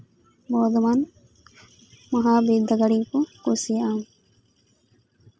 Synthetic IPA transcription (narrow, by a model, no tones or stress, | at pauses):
moːd̪uman | mɐɦaːbiːd̪ɐɡɐɽiːkukusijɐaŋ